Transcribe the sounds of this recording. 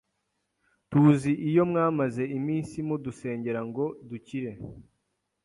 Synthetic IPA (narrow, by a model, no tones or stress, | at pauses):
tuːziʔijo̞mŋaːmaze̞imiːnsimuduse̞ːɲɟe̞ɾaŋɡo̞duciɾe̞